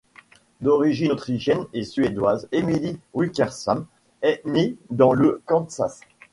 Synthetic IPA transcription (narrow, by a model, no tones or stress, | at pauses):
d̪ɔʁiʒiot̪χiʃjɛnesɥed̪wazemiliwikʲɛʁsɔm | ɛned̪ɑ̃ləkɑ̃sa̰s